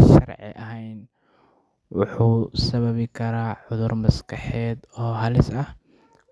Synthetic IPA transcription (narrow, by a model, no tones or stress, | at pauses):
ʃɐrʕɪ̰ʔɐɦɛjn | wɑħuːsɐβɐβɪkʰɐɾaːʕʊðʊrmɐskʰɐħɛːd̪ɔːɦɐlɪsɐh